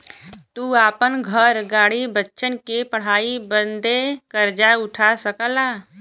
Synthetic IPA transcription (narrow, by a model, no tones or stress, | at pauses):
t̪uaːpənɡʱəɾɡaːɽ̤ibətːʃʰənkepəɽ̤aːibənd̪ekəɾd͡ʒaʊʈʰasəkəla